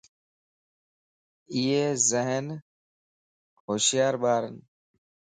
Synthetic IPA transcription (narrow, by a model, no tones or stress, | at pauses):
iːeːzəɦən | hoːʃjaːɾɓaːɾən